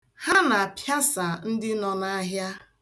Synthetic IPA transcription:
ha˦na˨a˨pja˦sa˨n̩˦dɪ˦nɔ˨na˦ɦja˦

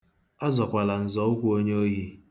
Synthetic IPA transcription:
a˦zɔ˨kʷa˨la˨n̩˨zɔ˨˦ʊ˦kʷu˦o˦ɲe˦o˦ɦi˦

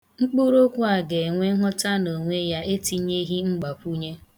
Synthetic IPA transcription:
ŋ͡m̩˦k͡pu˦ɾo˦kʷu˦a˨ɡe˨ŋʷe˦ɦɔ˦ta˦no˨ŋʷe˦ja˦e˦ti˦ɲe˦ɦi˦ŋ͡m̩˦ɡ͡ba˨kʷu˦ɲe˦

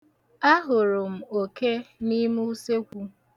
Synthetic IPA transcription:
a˦ɦʊ˨ɾʊ˨m̩˨o˨ke˦ni˦mu˦se˦kʷu˦

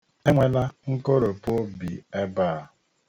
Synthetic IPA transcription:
e˦ŋʷe˨la˦ŋ̩˦ko˦ɾo˨po˦o˦bḭ˨e˦baː˦˨

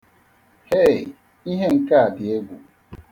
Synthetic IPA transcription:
he˦˨ | i˦ɦe˦ŋ̩˦ka˦a˨bɪ˨e˦ɡʷu˨

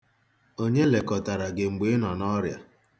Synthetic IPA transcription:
o˦ɲe˦le˨kɔ˨ta˨ɾa˨ɡe˨ŋ͡m̩˨ɡ͡be˨˦nɔ˨nɔ˦ɾja˨

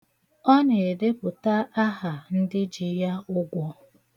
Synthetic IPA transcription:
ɔ˦ne˨e˨de˦pʊ˨ta˦ʔa˦ɦa˨n̩˦dɪ˦d͡ʒi˨ja˦ʊ˦ɡʷɔ˦

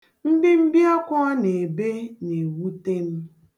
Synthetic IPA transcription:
m̩˦bi˦m̩˦bi˦a˦kʷɔ˦ne˨e˨be˦ne˨wu˦te˦m̩˦

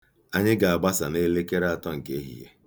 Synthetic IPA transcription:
a˦ɲɪ˦ɡa˨a˨ɡ͡ba˦sa˨ne˦le˦ke˦ɾa˨tɔ˦ŋ̩˨ke˦ɦḭ˨jḛ˦

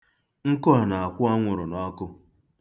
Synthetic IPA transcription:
ŋ̩˦kʊ˦ɦa˨na˨a˨kʷʊ˦a˦ŋʷʊ˨ɾʊ˨nɔ˦kʊ˦

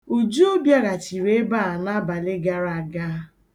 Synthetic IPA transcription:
u˨d͡ʒu˦bja˦ɣa˨t͡ʃi˨ɾe˦ba˦˨a˨na˦ba˨le˦ɡa˦ɾa˨a˨ɡa˦

